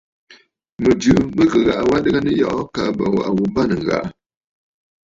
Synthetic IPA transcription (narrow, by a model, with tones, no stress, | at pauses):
mə˨d͡ʒʉ˨˦mə˦kə˨ɣa˨ʔa˨wa˦dɨ˦ɡa˦nə˦jɔ̰˦ʔɔ˦ka˨ʔba̰˨wa̰˨ʔa˨wu˨ba˦˨nə˨ŋ˨ɣa̰˨ʔ